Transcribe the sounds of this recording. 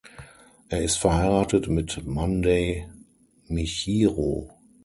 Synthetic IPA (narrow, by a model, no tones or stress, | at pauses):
ʔeːɐɪstfɛɐhaɪʁaːtətmɪtmandeɪ | miçiːʁo̰ː